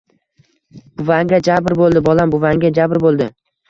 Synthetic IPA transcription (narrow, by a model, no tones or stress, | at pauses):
b̥ʊvaŋɡʲad͡ʒabɾbolˠd̪ɪbɒlambʊvaŋɡʲad͡ʒabɾbolˠd̪ɪ